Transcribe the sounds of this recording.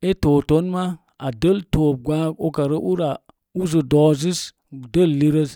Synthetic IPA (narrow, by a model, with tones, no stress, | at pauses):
e˦toː˨to˨˦nma˦ | a˨də˦˨ltoː˨p̚ɡʷa˦o˦ka˨ɾə˦ʔu˦ɾa˨ | u˦zə˨dɔ˨zi˦s | də˦˨lːi˦ɾə˦s